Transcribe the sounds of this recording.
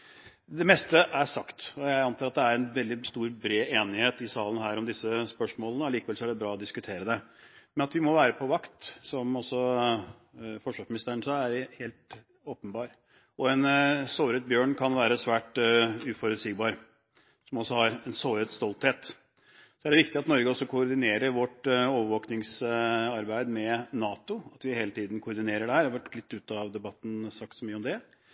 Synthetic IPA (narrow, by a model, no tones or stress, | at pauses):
d̪ɛmɛst̪əʔæʂɑkt̪ɔjæɪɑnt̪ɑːɾɑt̪̚d̪ɛæɾɛnʋɛld̪ɪst̪uːɾbɾeːeːnɪheːt̪ɪsɑːlən̩hæːɾɔmd̪ɪsəspœʂmoːlənəliːkəʋɛlsɔæɖɛbɾɑːɔd̪ɪskʉt̪ʰeːɾəd̪ɛmɛnɑt̪ʋɪmɔʋæːɾəpʰɔʋɑkt̪sɔmɔsːɔ | fɔʂʋɑʂmɪnɪst̪əɾəɳsɑæɾheːlt̪ | oːpənbɑːɾ | ɔɛnsoːɾət̪̚bjøːɳkʰɑnʋæːɾəsʋæːʈʉːfɔɾʉːd̪siːɡbɑːɾ | sɔmɔsːɔhɑɾɛnsoːɾət̪st̪ɔlt̪heːt̪ | sɔæɖɛʋɪkt̪ɪɑt̪nɔɾɡəɔsːɔkʰʊʊɾɖ̪ɪneːɾəɾʋɔʈoːʋəɾʋoːknɪŋsɑɾbæɪd̪mɛnɑːt̪ʊɑt̪ʋɪheːlət̪ʰiːd̪n̩kʰʊɾd̪ɪneːɾəɖɛhæɾæʋæʈːlɪt̪ːʉːt̪ɑʋd̪ɛbɑt̪ːn̩sɑk̚t̪sɔmyːəɔmd̪ɛ